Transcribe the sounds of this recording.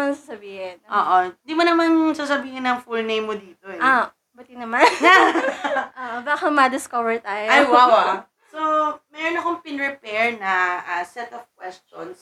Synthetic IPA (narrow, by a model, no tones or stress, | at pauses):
mansasɐbiːhɪnʔoːʔond̪imonɐmansaːs̬ɐbiːhɪnɐŋfulnejmːod̪iːt̪oɛo | bɐt̪inɐmanna | ʔoːʔbaːkɐmɐd̪ɪskovɛɹt̪aːjoajwawa | somɛːɾonɐkoŋpɪnɹɛpɛɹnɐʔasɛt̪ɔvkwɛst͡ʃɔ̰ns